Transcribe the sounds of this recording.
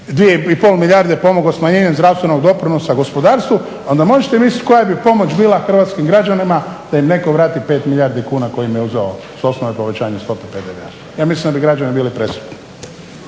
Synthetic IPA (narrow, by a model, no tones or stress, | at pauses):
d̪ʋijeipoːlˠmiʎʲaɾd̪epo̞moɡlosmaɲe̞ːɲemzd̪ɾaʋst̪ʋenoɡd̪o̞pɾinosaɡo̞spo̞d̪aːɾst̪ʋu | ond̪amo̞ʒet̪emisjit̪ʲko̞jabipo̞mot͡ʃbiːlˠaxr̩ʋaːt̪skimɡɾad͡ʒanimad̪̥aimne̞ko̞ʋɾaːt̪ipe̞ːt̪miʎaːɾd̪ikuːnako̞jimijeuzeo | so̞snoʋepo̞ʋet͡ɕaːɲast̪o̞peped̪eʋḛa | jaːmislimd̪abiɡɾad͡ʒanibiːlipɾesu̥t̪ni